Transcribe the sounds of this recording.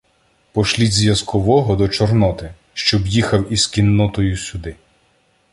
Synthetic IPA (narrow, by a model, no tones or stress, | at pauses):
pɔʃlʲizʲʋjɐskɔʋɔɦɔd̪ɔt͡ʃɔrnɔt̪ɪ | ʃt͡ʃɔbjixɐwizkʲinːɔt̪ɔjʊsʲʊd̪ɪ